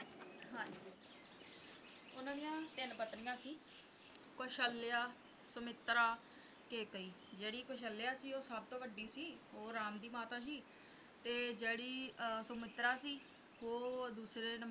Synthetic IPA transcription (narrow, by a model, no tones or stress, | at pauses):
ɦãːd͡ʒi | ʊnãːd̪ijãːt̪ɪnpət̪nɪjãːsiː | koʃəlːjaː | səmɪt̪ːɾaː | keːkəiː | d͡ʒeːɽiːkoʃəlːjaːsiːoːsəb̚t̪õːʋəɖːiːsiːoːɾaːmd̪iːmaːt̪ãːʃ̬iː | t̪eːd͡ʒeːɽiːsʊmɪt̪ɾaːsiː | oːd̪uːsɾeːnə